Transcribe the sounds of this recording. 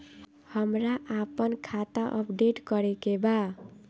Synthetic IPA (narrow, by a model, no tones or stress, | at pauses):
hʌmɾaʔapənkʰat̪aʔə̰pɖeʈkʌɾekeba